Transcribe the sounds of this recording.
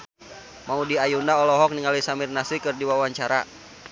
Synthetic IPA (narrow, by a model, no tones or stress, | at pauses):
maudiajunaɔlɔɦɔk̚niŋalisamirnasikɨrdiwawaɲt͡ʃaɾa̰